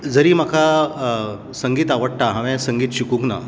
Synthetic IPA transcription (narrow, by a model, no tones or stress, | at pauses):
d͡zəɾiːmakʰa | səŋɡiːt̪aʋəɽʈaɦaʋɛ̃səŋɡiːt̪ɕikũŋkna̰